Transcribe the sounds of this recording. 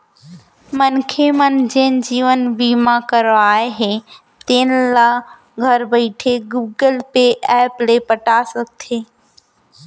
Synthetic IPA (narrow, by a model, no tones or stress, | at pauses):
mənkʰemənd͡ʒeːnd͡ʑiːʋənbiːmãkəɾoaːeɦe | t̪eːnla | ɡʱəɾbəɪʈʰeɡuːɡəlpeʔɛːplepəʈasəɡ̚t̪ʰeː